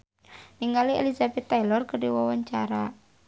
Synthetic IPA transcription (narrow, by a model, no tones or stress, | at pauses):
niŋɡaliḛlizabɛt̪ːajlɔrkərdiwɔwaɲt͡ʃaɾa